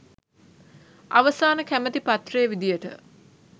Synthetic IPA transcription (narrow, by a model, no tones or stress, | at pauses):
aʋəsaːnəkæmət̪ipat̪rejəʋid̪ijəʈə̰